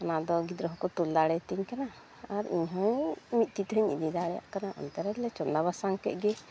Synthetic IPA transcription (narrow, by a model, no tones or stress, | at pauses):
anad̪ɔɡid̪ɾɔɦɔkɔt̪uld̪aɽɛt̪iɲkana | aɾḭɲɦɔ̃mit̪̚t̪it̪ɦəɲid̪id̪aɽɛja̰ʔkanaʔɔ̰nt̪aɾɛlɛt͡ʃɔnd̪aβasaŋkɛ̰ʔ̪̚ɡɛ